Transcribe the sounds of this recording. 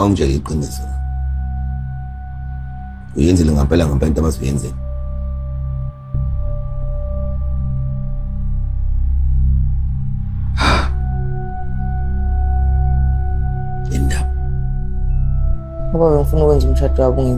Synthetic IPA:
aum̩d͡ʒʱɛiǃinʱɛsɛla | ujɛnd͡zʱɛlɛŋampʼɛlaŋampʼɛntʼaɓazjɛ̰nd͡zʱɛlɛ | a | ɛndʱawa | ɔɓaɓem̩funuk̬ʼwɛnd͡zʱum̩t͡ʃʰad̥ʰʱwaɓuŋe

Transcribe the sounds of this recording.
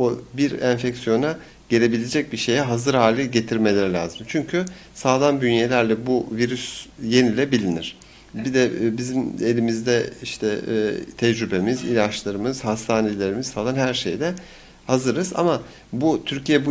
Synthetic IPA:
obiɾænfɛcsijo̞na | ɟ̥e̞lʲe̞bilʲed͡ʒɛc̚biʃe̞jɛɦazɯɾhaːlʲɛɟe̞t̪ʰiɾme̞lʲe̞ɾilʲa̰ːzɯmt͡ʃʰyɲcʰysaːlˠanb̪ynje̞lʲæɾlʲɛbuviɾysje̞nilʲɛbilʲiniɾ̝̥ | bid̪ɛbizime̞lʲimizd̪ɛiʃt̪ʰɛt̪ʰɛd͡ʒɾybe̞mizḭlʲat͡ʃlˠaɾɯmɯz̥hast̪ʰaːne̞lʲe̞ɾimizsaːlˠanɦæɾʃejd̪ɛ | hazɯɾɯz̥a̰ma | but̪ʰyɾcʰijɛbu

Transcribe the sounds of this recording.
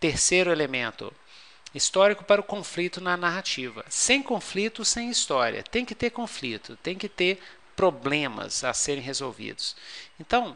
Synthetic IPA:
t̪eɾsejɾʊelemẽnt̪ʊ̰ | ist̪ɔɾikʊpaɾɐʊkõflit̪ʊnɐnaɦat͡ʃivɐ̰sẽj̃kõflit̪ʊsẽj̃ist̪ɔɾḭɐ̰t̪ẽj̃kɪt̪eɾkõflit̪ʊt̪ẽj̃kɪt̪eɾ | pɾoblẽmɐ̰saseɾẽj̃ɦezowvḭd̪ʊsẽnt̪ɐ̃w̃

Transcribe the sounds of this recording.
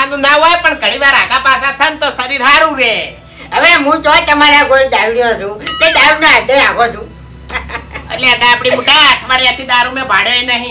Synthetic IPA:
anũnaɦojpəɳkəɽiʋaɾaɡapasakʰənt̪osəɾiɾʱaɾũɾe | ɦəʋeɦũt͡ʃot̪əmaɾãɡold̪aɾuɽijõd͡ʒʰũt̪ed̪aɾunẽaɖẽakõt͡ʃʰũ | eʈlead̪aːpɽimuʈaat̪ʰmaɾijãt̪ʰid̪aɾũmẽbʱaɽeenəɦĩ

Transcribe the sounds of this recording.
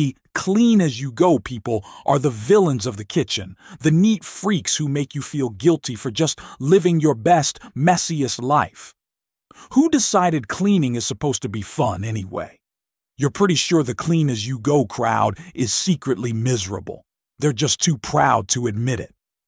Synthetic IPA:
i | kʰl̥ĩnɨzjɨɡoʊpʰipl̩ˠʔə˞ðəvɪlˠə̃nzʌvðɨkʰɪt͡ʃɨ̰̃nðɨnitfɹikshumeɪkjɨfilˠɡɪlˠtʰifə˞d͡ʒʌstlɪvɪ̃ŋjə˞bɛstmɛsiɨstˡlaɪf | hudɨsaɪɾɨd̚kʰl̥ĩnɪ̃ŋɨz̥səpʰoʊz̥tʰɨbifʌ̃nɛniwḛɪ | jə˞pʰɹ̥ɪɾiʃʊɹðɨkʰl̥ĩnɨzjɨɡoʊkʰɹ̥a̰ʊɾʔɪz̥sikɹɨʔˡlimɪzə˞ə̰bl̩ˠ | ðə˞d͡ʒʌstʰʉpʰɹ̥a̰ʊd̚tʰəɨd̚mɪɾɪ̰t̚

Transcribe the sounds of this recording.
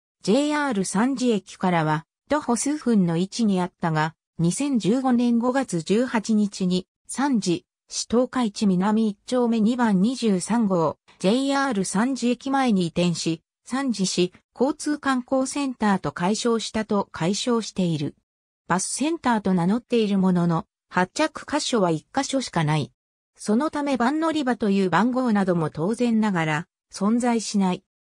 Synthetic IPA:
d͡ʑe̞ːaːɾɯ̟sãɲ̟d͡ʑiekʲi̥kaɾaβ̞a | t̪oho̞sɨːɸɯ̟̃nːo̞it͡ɕiɲ̟iat̪ːaɡa | ɲ̟isẽ̞ɲ̟d͡ʑɨːɡo̞nẽ̞ŋɡo̞ɡat͡sɨd͡ʑɨːhat͡ɕiɲ̟it͡ɕiɲ̟i | sãɲd͡ʑi | ɕi̥t̪o̞ːkait͡ɕimʲinamʲiːt͡ɕo̞ːme̞ɲ̟ibãɲ̟ɲːiʑɨːsãŋɡo̞ː | d͡ʑe̞iaːɾɯ̟sãɲ̟d͡ʑiekʲimae̞ɲ̟iːt̪ẽ̞ɰ̃ɕi | sãɲ̟d͡ʑiɕiko̞ːt͡sɨːkãŋko̞ːsẽ̞nt̪aːt̪o̞kaiɕo̞ːɕi̥t̪at̪o̞kʰaiɕo̞ːɕi̥t̪e̞iɾɯ̟ | b̥asɨ̥sẽ̞nt̪aːt̪o̞nano̞t̪ːe̞iɾɯ̟mo̞no̞no̞ | hat͡ɕakɯ̟̥kaɕo̞βaikːaɕo̞ɕi̥kanai | so̞no̞t̪ame̞bãnːo̞ɾʲibat̪o̞jɯ̟ːbãŋɡo̞ːnad̪o̞mo̞t̪o̞ːzẽ̞nːaɡaɾa | sõ̞nd͡zaiɕinai

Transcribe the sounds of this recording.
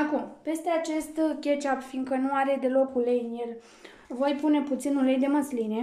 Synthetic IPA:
akumpe̞st̪e̞at͡ʃe̞st̪kʲe̞t͡ʃapfiŋɡkənuaɾe̞d̪e̞lo̞kulejɨnje̞l | vo̞jpune̞put̪sinulejd̪e̞məsline̞

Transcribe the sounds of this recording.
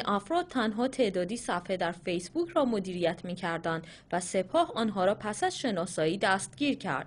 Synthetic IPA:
nʔæfɾɒːd̪̚t̪ʰænɦɒːt̪ʰe̞ʔd̪ɒːd̪iːsæfhe̞d̪æɾfejsbucʰɾɒːmod̪iːɾijæt̪ʰmiːcʰæɾd̪ænd̪ | væse̞pʰɒːhɒːnɦɒːɾɒːpʰæsæzʃe̞nɒːsɒːiːd̪æst̪̚ɟ̥iːɾcʰæ̰ɾd̪̥

